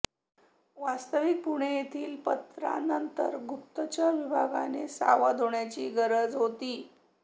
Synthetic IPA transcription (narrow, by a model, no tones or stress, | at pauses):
ʋast̪əʋik̚puɽ̃ejet̪ʰiːlpət̪ɾa̰nənt̪ə̰ɾɡup̚t̪ət͡ɕaʋibʱaɡa̰nesa̰ʋad̪ʱoɳjat͡ɕiːɡəɾəd͡zɦot̪iː